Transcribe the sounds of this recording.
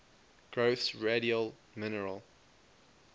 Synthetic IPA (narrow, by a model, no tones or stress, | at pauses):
ɡ̥ɹoʊθsɹeɾiəlˠ | mɪnəɹə̰lˠ